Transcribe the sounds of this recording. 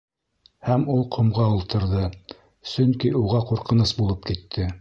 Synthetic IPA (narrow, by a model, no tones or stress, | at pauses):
hæmulˠqʰŏmʁɑulˠt̪ʰɤ̆ɾðɤ | sɵŋkiuʁɑquɾqɤ̆nɤsbulˠɤp̚kit̪ʰːɘ